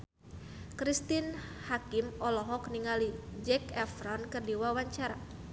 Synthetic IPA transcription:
kɾist̪inhakimɔlɔɦɔkniŋalid͡ʒɛkɛfɾɔnkɨrdiwawaɲt͡ʃaɾa

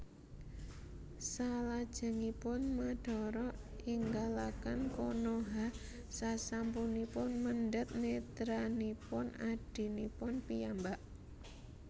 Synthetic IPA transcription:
salad̥ʒ̥ə̤ŋipʊnmaɖ̥ɔ̤ɾɔ | iŋɡalakankonoɦa | sasampunipʊnmənɖət̪̚net̪ɾanipʊnaɖ̥i̤nipʊnpijambaʔ

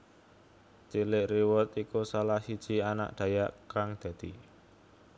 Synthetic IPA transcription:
t͡ʃilɪʔriwʊt̪ikusalahsid̥ʒ̥i̤ana̰ʔd̪̥ä̤jaʔkaŋd̪̥ä̤d̪̥i̤

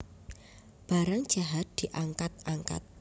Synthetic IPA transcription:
b̥aɾaŋd̥ʒ̥a̤ɦat̪̚d̪̥i̤ʔaŋkat̪̚aŋka̰t̪̚

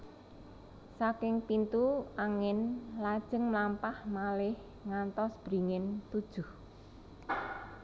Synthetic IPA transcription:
sakɪŋpint̪uaŋɪnlad̥ʒ̥ə̤ŋmlampahmalɪh | ŋant̪ɔsb̥ɾi̤ŋɪnt̪ud̥ʒ̥ʊh

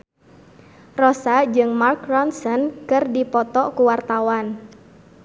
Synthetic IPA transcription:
rɔsad͡ʒɨŋmarkrɔnsɔnkɨrdipɔt̪ɔkuwart̪awan

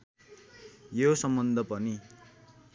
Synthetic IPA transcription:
josʌmbʌnd̪ʱʌpʌni

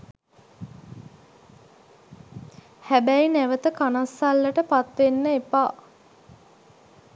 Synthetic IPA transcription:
hæbæjinæʋət̪əkanasːalːəʈəpat̪ʋenːəepaː

